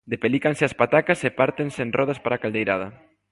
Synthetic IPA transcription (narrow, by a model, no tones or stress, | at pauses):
d̪epelikanseaspat̪akasepaɾt̪ensenrɔðaspaɾakald̪ejɾað̞a